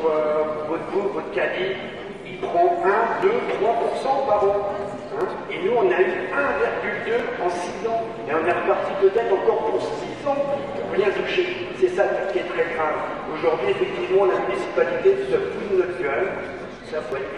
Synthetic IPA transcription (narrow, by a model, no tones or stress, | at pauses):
øvɔt̪buvɔt̪kʲad̪i | ilpχɑ̃ɛ̃d̪øt̪χwapuʁsɑ̃paʁɑ̃ | ɛ̃ | enuɔ̃nayɛ̃viʁɡʲyld̪øɑ̃sizɑ̃ | eɔ̃nɛʁəpaʁt̪ipət̪ɛt̪ɑ̃kɔʁpuʁsəsizɔ̃puʁbjɛ̃t̪uʃe | sɛsad̪sə̥kʲiɛt̪χɛfɛ̃ | oʒuʁd̪ɥiefɛk̚t̪ivmɑ̃lamynisi̥palit̪ed̪sɛt̪ud̪nɔt̪kœl | sapɛ